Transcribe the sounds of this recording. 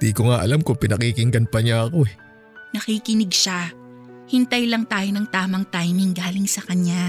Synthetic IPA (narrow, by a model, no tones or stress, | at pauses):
d̪ikoŋaʔɐlamkopɪnɐkikɪŋɡɐnpɐɲaɐko̞ɛ | nɐkikɪnɪɡ̚ʃa | hɪnt̪ɐjlɐŋt̪aːjonɐŋt̪aːmɐŋt̪ajnɪŋɡaːlɪŋsɐkɐɲja